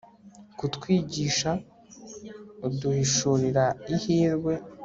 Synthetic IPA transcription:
kutkwiːɟiːʃa | uduhiʃuɾiɾaihiːɾɡwe̞

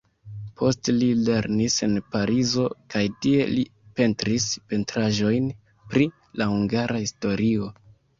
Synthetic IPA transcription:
pʰo̞stlile̞ɾnise̞npaɾʔizo̞kajtie̞lipe̞ntɾispe̞ntɾaʒo̞jn | pɾi | lahuŋɡaɾahisto̞ɾio̞

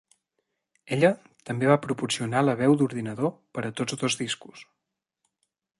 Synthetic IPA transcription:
eʎə | t̪əmbeβapɾupursiunaləβ̞ɛwd̪uɾðinəðopəɾət̪od͡zðozðisku̥s

